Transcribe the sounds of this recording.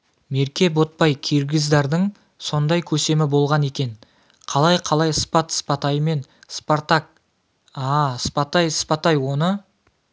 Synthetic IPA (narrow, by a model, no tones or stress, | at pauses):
me̞ɾkʲe̞bo̞t̪̚pɑjkʲʰiɾɡʲɪzd̪ɑɾd̪əɴ | so̞nd̪ɑjkʲʰɵse̞mɪbo̞lˠʁɑne̞kʲe̞n | qʰɑlˠɑjqʰɑlˠɑjspɑt̪spɑt̪ɑjəme̞nspoɾt̪ak̚ | ɑspɑt̪ɑjspɑt̪ɑjwo̞nə